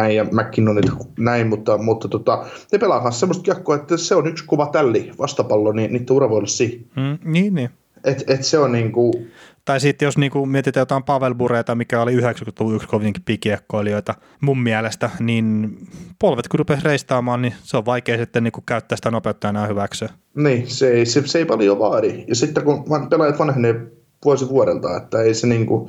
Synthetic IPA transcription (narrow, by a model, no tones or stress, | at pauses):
æijjɑmækːinːoniːt̪ænæimmut̪ːɑmut̪ːɑt̪ot̪ɑnepelɑˑkɑ̃nssemːost̪kiekːoːet̪ːæseonykskoʋɑt̪ælːiʋɑst̪ɑpɑlːoniniːt̪ːeurɑʋoolsiːm̩ːniːnːiː | ʔet̪et̪seonniːŋkut̪ɑisit̪ːjosniːŋkumiet̪it̪æjot̪ɑˑimpɑʋelmureit̪ɑmikæoliyhekskut̪luʋuykskoʋiŋki̥piːkiekːoilioit̪ɑ | mummiælest̪æninpolʋet̪kurupesreist̪ɑːmɑːnniseoʋʋɑikeːsit̪ːenniːŋkukkæyt̪ːæːsi̥t̪ænopeut̪ːɑɑnɑːhyʋæksøː | niːseeiseseeipɑlijoʋɑːɾijɑsit̪ːekuʋɑpelɑjɑt̪ʋɑnhene | ʋuosiʋuoɾḛlt̪ɑ̰ːḛt̪ːæeiseniːŋku